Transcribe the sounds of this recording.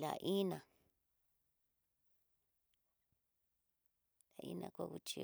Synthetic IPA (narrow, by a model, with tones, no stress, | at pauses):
la̰˨ʔi˦nã˨ | la˨˧ʔi˦nã˧kʷa˦˧ku˧t͡ʃḭ˧